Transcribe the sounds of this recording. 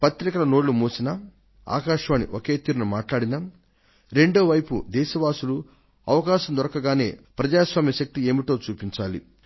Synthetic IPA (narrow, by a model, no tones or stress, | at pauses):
pɐt̪ɾikɐlɐno̞ːɽlumoːsinɐ | a̰ːkaːʃʋaːnḭʔoke̞ːt̪iːɾunumaːʈlaːɽina | ɾe̞ɳɖoːʋɐjpṵd̪ɛːʃɐʋaːsulu | ɐʋɐkaːʃɐnd̪ɔɾɐkɐɡaːne̞̰ːpɾɐd͡ʒaːsʋaːmjɐʃɐk̚t̪ie̞ːmiʈo̞ːt͡ʃuːpiɲt͡ʃaːli